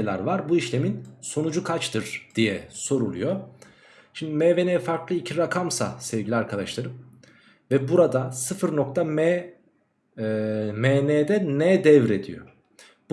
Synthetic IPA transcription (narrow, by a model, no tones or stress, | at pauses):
lʲæ̰ɾvaɾbuiʃlʲe̞minso̞nud͡ʒukʰat͡ʃt̪ʰɯɾd̪̥ijɛso̞ɾulˠṵjo̞ | ʃimd̪imɛːvenɛfaɾklˠɯicʰiɾakʰamsa̰sɛvɟilʲiaɾkʰad̪aʃlˠaɾɯm | vɛbuɾad̪asɯfɯɾno̞kt̪ʰamɛ | mɛːnɛːd̪ɛnɛd̪ɛvɾe̞d̪ḭjo̞̰ | b